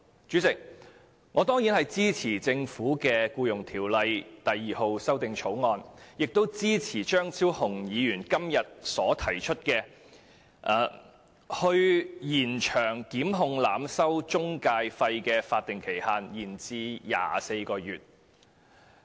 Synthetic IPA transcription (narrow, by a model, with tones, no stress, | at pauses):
t͡ʃyː˨˥t͡sɪ˨k̚ | ŋɔː˨˧t̪ɔː˥ŋjiː˨˥nhɐ˨jt͡siː˥t͡sʰiː˨˩t͡sɪ˧ŋfuː˨˥kɛː˧kuː˧jʊ˨˩ŋt̪ʰiː˨˩wlɐ˨˧jt̪ɐ˨jːiː˨ho˧wsɐ˥wt̪ɪ˨ŋt͡ʃʰo˨˥wŋɔː˧njɪ˨k̚t̪o˥wt͡siː˥t͡sʰiː˨˩t͡ʃœː˥ŋt͡sʰiː˥whʊ˨˩ŋjiː˨˧jyː˨˩nkɐ˥mjɐ˨t̚sɔː˨˥t̪ʰɐ˨˩jt͡ʃʰɵ˥t̚kɛː˧ | ʔaː˨ | hɵ˧ɥjiː˨˩nt͡ʃʰœː˨˩ŋkiː˨˥mɦʊ˧ŋlaː˨msɐ˥wt͡ʃʊ˥ŋkaː˧jfɐ˧jkɛː˧faː˧t̚t̪ɪ˨ŋkʰe˨˩jhaː˧njiː˨˩nt͡siː˧ja̰ː˨se˧jkɔː˧jyː˨t̚